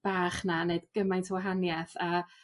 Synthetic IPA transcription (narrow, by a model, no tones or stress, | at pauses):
b̥aːχnaneɨdɡ̥əmajntʰəwaɦanjɛθa